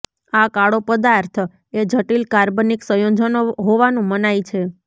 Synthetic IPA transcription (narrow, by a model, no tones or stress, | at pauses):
akaɽopəd̪aɾt̪ʰ | ed͡ʒʱəʈilkaɾbəniksəjod͡ʒənɦoʋanũmənajt͡ʃʰe